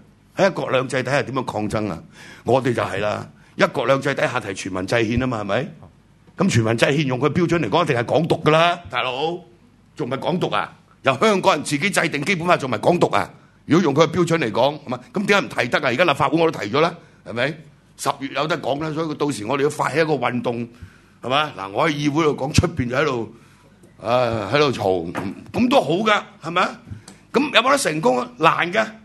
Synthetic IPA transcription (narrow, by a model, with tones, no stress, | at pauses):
hɐ˨˥jɐ˥t̚kɔː˧k̚lœː˨˧ŋt͡sɐ˧jt̪ɐ˨˥jha˨t̪i˨˥jœː˧˥ŋkʰɔː˧ŋt͡sɐ˥ŋa̰˧ŋɔː˨˧t̪e˨jt͡sɐ˨whɐ˨jla̰ː˧ | jɐ˥t̚kɔː˧k̚lœː˨˧ŋt͡sɐ˧jt̪ɐ˨˥jɦaː˨t̪ʰɐ˨˩jt͡ʃʰyː˨˩nmɐ̰˨˩nt͡sɐ˧jhiː˧naː˥maː˧hɐ˨˩mɐ˨˥j | kɐ˨˦mt͡ʃʰyː˨˩nmɐ˨˩nt͡sɐ˧jhiː˧njʊ˨ŋkʰɵ˧pi˥wt͡ʃʰœ˨˥ne˨˩kɔ˨˥ŋjt̪ɪ˨ŋhɐ˨˩jkɔː˨˥ŋt̪ʊ˨kːə˧laː˥t̪aː˨˧jlo˨˧˥w | t͡sʊ˨ŋm˨ɐ˨˩jkɔː˨˥ŋt̪ʊ˨k̚a̰˧˩ | jɐ˨˧whœː˥ŋkɔː˨˥ŋjɐ˨˩nt͡siː˨k̬e˨˥jt͡sɐ˧jt̪ɪ˨ŋke˥jpu˨˥nfaː˧˩t͡sʊ˨ŋmɐ˨jkɔː˨˥ŋt̪ʊ˨k̚ʔa̰ː˧ | jy˨˩kɔ˨˥jʊ˨ŋkʰɵ˨˧kɐ˧pi˥wt͡ʃɵ˨˥nle˨˩jkɔː˨˥ŋhɐ˨˩ma˨˧kɐ˨˦mt̪ŋkːaː˧˥jm̩˨˩t̪ʰɐ˨˩jt̪ɐ˥k̚ːa˧˨i˨ka˥la˨pfaː˧u˨˥ŋɔ˧o˥t̪ʰɐ˨˩jt͡ʃɔ˨˧˥laː˥ | hɐ˨jmɐ˨˥j | sɐ˨p̚jyː˨t̚jɐ˨˧wt̪ɐ˥kɔː˨˥ŋ˧laː˥sɔː˨˥i˨˧t̪o˧wsiː˨ŋɔ˨˧ɾe˨jʊ˧wfaː˧t̚hɐ˧˥jɐ˥kɔː˧wɐ˨nt̪ʊ˨ŋ | hɐ˨˩ma˨˩la̰ː˨˩ŋɔː˨˧hɐ˨˧jjiː˧wu˨˥jlo˨˧˩wkɔː˨˥ŋt͡ʃʰɵ˥t̚piː˨nɐ˧˩hɐ˨˥jt̪o˨˧w | ʔaː˨˧hɐ˨˥jt̪o˨wt͡ʃʰo̰˨˩w̩˨˩kɐ˨˥mt̪̬o˥wɦo˨˥wka˧hɐ˨˩jmɐ˨˧kɐ˨˥mjɐ˨˧wmɔ˨˥ɾɐ˥sɪ˨˩ŋkʊ˥ŋ˧laː˨˩nkaː˧